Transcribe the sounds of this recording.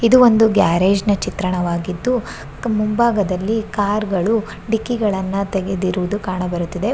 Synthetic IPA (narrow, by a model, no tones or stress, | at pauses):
id̪uʋond̪uɡjaːɾeːd͡ʒnɐt͡ʃit̪ɾɐɳɐʋaːɡid̪ːu | mumbaːɡɐd̪ɐlːikaːɾɡɐɭu | ɖikːiɡɐɭɐnːɐt̪eɡed̪iɾuʋd̪ukaːɳɐbɐɾut̪ːid̪e̞